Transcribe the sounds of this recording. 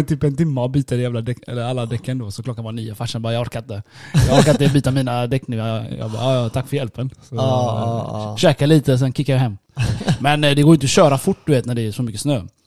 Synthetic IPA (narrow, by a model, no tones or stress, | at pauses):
t̪ʰyːpɛnt̪ɪmːabyːt̪ədɛjæːvlad̪ɛkɛ̰lːəɾalːad̪ɛkːənd̪oːsɔklɔkːanvaniːafaʂanbɑːɾjɑɡɔɾkat̪əd̪ɛjɑɔɾkat̪ɛbyːt̪amiːnad̪ɛkːnɪŋajɑ̰bɑ̰ːɑt̪ʰakːfœɾjɛlpənsɔ | ɕɛːkaliːt̪əs̬ɛnkʰɪkːajaɦɛmːmɛnd̪ɛɡoːjɪnt̪ɔɕøːɾafʊʈːd̪ɵveːt̪næɖɛæʂɔmʏkːəsnøː